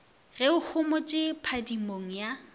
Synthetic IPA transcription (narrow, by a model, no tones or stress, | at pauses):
rɛʊhʰʊmʊt͡ʃʼɪpʰadimoŋ̩ja